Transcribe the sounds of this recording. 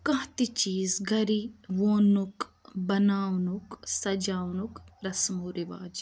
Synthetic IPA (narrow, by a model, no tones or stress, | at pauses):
kɐɦt̪it͡ʃiːzɡʱɐɾiʋoːnukbɐnaːwnuksɐd͡ʒaːwnukɾɐsmuɾiʋa̰ːd͡ʒ